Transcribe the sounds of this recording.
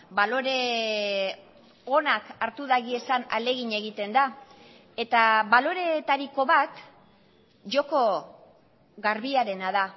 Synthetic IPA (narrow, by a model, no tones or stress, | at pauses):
balo̞ɾe̞ | o̞nakaɾt̪uðaɣie̞sana̰le̞ɣiɲe̞ɣ̞it̪e̞nd̪a | e̞t̪aβalo̞ɾe̞t̪aɾiko̞βat̪ | ʝo̞ko̞ | ɣaɾβiaɾe̞naða